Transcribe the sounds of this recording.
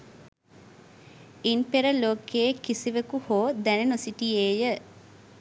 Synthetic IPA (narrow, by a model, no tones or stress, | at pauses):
inpeɾəloːkeːkisiʋekuhoːd̪ænenosiʈieːjə